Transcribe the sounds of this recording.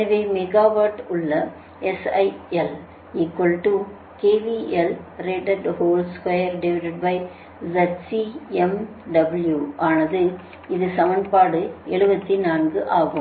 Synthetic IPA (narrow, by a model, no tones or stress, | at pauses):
ɐʋeːmɛɣaːʋaːʈʊɭːɐ | ɛsɐɪɛl | iːkwɐlʈu | keːʋiʔɛlɾeːʈɐɖhoːlskɐjɐɾɖɛʋɪʈɐɖbɐɪ | zɐʈsiɛm | ɖɐbɐljuʔaːnɐðɯ | ɪðɯsɐmɐnpaːɽɯɛɭɯbɐt̪ːinaːnɡɯʔaːɣɯm